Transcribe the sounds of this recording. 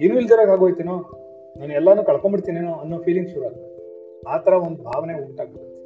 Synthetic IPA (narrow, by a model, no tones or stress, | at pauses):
inuːilːd̪ɐɾɐɡaːɡojt̪inoː | naːnuɛlːanuːkɐɭkombiɽt̪iːnenoɐnːoːpʰiːliŋɡʃuɾuaːɡt̪ | aːt̪ʰɐɾɐond̪ubʱaːʋɐneuɳʈaːɡ̚bɐt̪ːe